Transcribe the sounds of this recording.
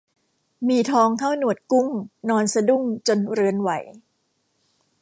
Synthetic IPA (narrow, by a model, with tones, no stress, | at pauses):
miː˧t̪ʰɔː˧ŋt̪ʰa˥˩wnu˨˩ət̪̚ku˥˩mnɔː˧nsa˧du˥˩mt͡ɕo˧nɾɯ˧ənwa̰˨˩˦j